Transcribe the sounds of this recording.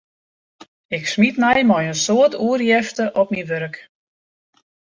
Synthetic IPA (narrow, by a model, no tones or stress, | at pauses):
ɪksmitmɛjmɔjənsoətʰuərjɛftəʔɔpminʋøɾk